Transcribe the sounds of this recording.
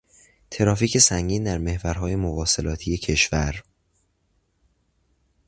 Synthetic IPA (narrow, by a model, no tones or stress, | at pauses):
t̪ʰe̞ɾɒːfiːcʰe̞sæŋɟiːnd̪æɾme̞hvæɾɦɒːje̞movɒːse̞lɒːt̪ʰije̞cʰe̞ʃvæɾ